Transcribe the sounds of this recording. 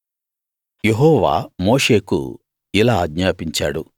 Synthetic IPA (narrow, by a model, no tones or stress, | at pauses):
jeɦɔːʋa̰ːmo̞ːʂe̞ːkṵ | ilaːɡɲaːpiɲt͡ʃa̰ːɽṵ